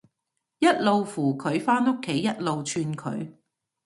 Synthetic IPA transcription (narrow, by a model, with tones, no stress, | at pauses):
jɐ˥t̚lo˨wfuː˨˩kʰɵ˨˧˥ɥfaː˥no˥kʰːe˨˥jːɐ˥t̚lo˨wt͡ʃʰyː˧nkʰɵ̰˨˧˥ɥ